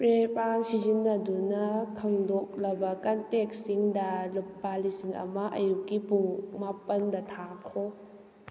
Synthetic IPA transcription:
pɾepansizinːɐdunɐkʰɐŋdɔk̚lɐbɐkanteksiŋdɐlup̚ːalisiŋɐ̰mɐʔɐ̰jukːipuŋmapɐndɐtʰakʰɔ

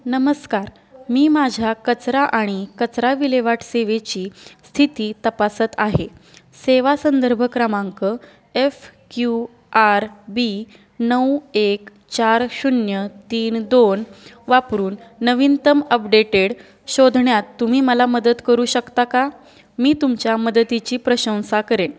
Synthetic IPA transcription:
nəməskaɾ | miːmad͡ʑʱakət͡sɾaʔaɽ̃ikət͡sɾaʋileʋaʈʰseʋet͡ɕiːst̪ʰit̪iːt̪əpasət̪aɦe | seʋasənd̪əɾbʱəkɾəmaŋkə | efkju | aɾbi | nəwek | t͡ɕaɾɕunjət̪iːnd̪on | ʋapɾuːnːəʋint̪əməpɖeʈeɽ | ɕod̪ʱɳjat̪ːum̤iːməlaməd̪ət̪kəɾuːɕəkt̪aka | miːt̪umt͡ɕjaməd̪ət̪it͡ɕiːpɾəɕə̃w̃sakəɾen

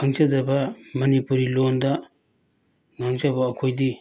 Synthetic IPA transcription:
aŋzadabamɐnipuɾilonda | ŋaŋzabaːkʰojdi

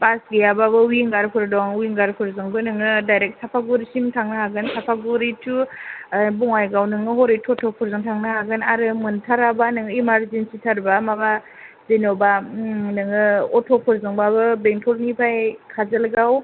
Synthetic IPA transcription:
pasɡejababɯwiŋɡaɾpʰɯɾdɔŋwiŋɡaɾpʰɯɾzɯŋbɯnɯŋɯdajɾek̚sʰapʰaɡuɾisimtʰaŋnɯɦaɡɯnsapʰaɡuɾitʰu | bɔŋajɡawnɯŋɯɦɔɾitʰɔtʰɔpʰɔɾzɯŋtʰaŋnɯhaɡɯnaɾɯmɯntʰaɾabanɯŋɯimaɾzensitʰaɾbamaba | zenɔbanɯŋɯɔtʰɔpʰɔɾzɯŋbabɯbeŋtʰɔlnipʰajkʰazɯlɡaw

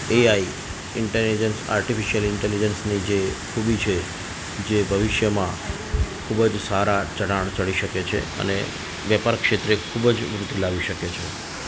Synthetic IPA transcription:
eai | ɪɳʈelid͡ʒənsa̰ɾʈifiʃijəlɪɳʈelid͡ʒənsnid͡ʒekʰubit͡ʃʰe | d͡ʒebʱəʋɪʃjəmã | kʰubəd͡ʒsaɾat͡ʃəɽaɳ̃t͡ʃəɭiʃəket͡ʃʰḛə̰nḛ | ʋjəpaɾkʃet̪ɾekʰubəd͡ʒʋɾʊt̪ːilaʋiʃəket͡ʃʰe

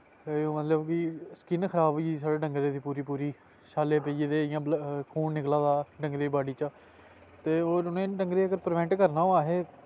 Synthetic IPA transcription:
oːmət̪ləbkɪsə̥kɪnkʰəɾaːbis̬aːɽeːɖəŋɡɾeːd̪iːpuːɾiːpuːɾiː | ʃaːleːpeːd͡ʒeːd̪eːjãːlkʰuːnnɪklaːd̪aːɖə̃ŋɡɾeːbaːɖiːt͡ʃa | t̪eːoːɾʊnẽːɖəŋɡɾeːəɡəɾpəɾʋɛ̃ːɳʈkəɾnaːoaːɦeː

